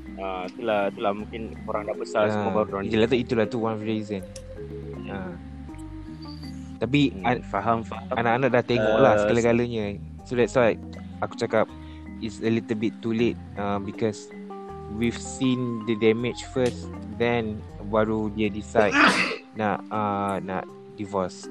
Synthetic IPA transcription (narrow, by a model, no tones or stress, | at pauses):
ait̪ulahit̪ulahmũŋkɪn | oɾaŋdaʔbəsaaadɔd͡ʒəlat̪uit̪ulat̪uwãnɔfɹizə̃n | a | t̪ap̬ifaɦamfaaanaʔanaʔ̚daht̪eŋɔʔlahsəkaləɡaləɲə | sodɛtswajk | aku̥t͡ʃakap̚ | itsəlit̪əlbit̪ːulet̪̚əmbikɔs | wivsĩndədɛmɪt͡ʃfəsdɛ̃nbaɹudədisajd̚naʔəna̰ʔ | divɔs